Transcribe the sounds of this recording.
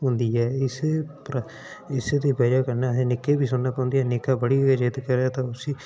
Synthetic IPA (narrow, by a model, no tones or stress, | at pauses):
ɦʊ̃nd̪iːɛːɪsepɾ | ɪseːd̪iːbəːɾjaːkəɾnaːeːnɪkːeːbiːsʊnnːaːpãːnd̪iːɛːnɪkaːbəɽiːəd͡ʒet̪kəɾeaːt̪ãːʊsiː